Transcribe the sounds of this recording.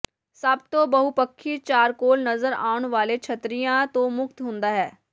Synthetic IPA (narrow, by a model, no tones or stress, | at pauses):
səbt̪õːbəɦupəkʰːiːt͡ʃaːɾkoːlnəzəɾa̰ːʊɳ̃ʋaːlet͡ʃʰət̪ɾijãːt̪õːmʊk̚t̪ɦʊ̃nd̪aːɦɛː